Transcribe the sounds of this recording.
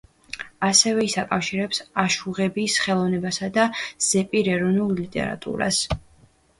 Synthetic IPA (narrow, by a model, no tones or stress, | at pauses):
asɛvɛisakʼafʃiɾɛpsaʃuʁɛbisχɛlˠɔvnɛbasad̪az̥ɛpʼiɾɛɾɔvnulˠlit̪ʼɛ̰ɾa̰t̪ʼṵɾa̰s